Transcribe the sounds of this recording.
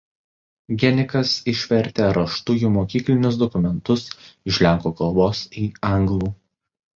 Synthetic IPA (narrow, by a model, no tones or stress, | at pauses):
ɡʲɛnʲɪkɐsɪʃʲʋʲɛɾʲt̪ʲeːɾɐʃt̪ʊjuːmoːkʲiːklʲɪnʲʊsd̪ɔkʊmʲɛnt̪ʊsɪʃʲlʲæˑŋkoːkɐlˠboːsiːɐŋɡlˠuː